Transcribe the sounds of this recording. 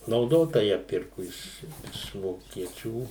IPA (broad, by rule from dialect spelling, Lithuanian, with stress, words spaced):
nɐʊˈdoːtɐ ˈjæː ˈpʲɪrkʊ ˈɪʃ ɪʃ ʋoːkʲiɛˈt͡ʃʲuː